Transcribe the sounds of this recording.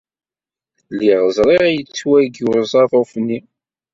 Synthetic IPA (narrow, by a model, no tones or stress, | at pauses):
liʁəzˤɾˤeʁæjət͡sːwæɡjʊɾzˤɑðˤofnːi